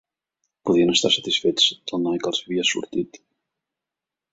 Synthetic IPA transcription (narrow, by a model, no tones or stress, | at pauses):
puðjɛnast̪asɛt̪ɪsvɪt̪st̪anajkalsviasṵɾt̪ɪt̪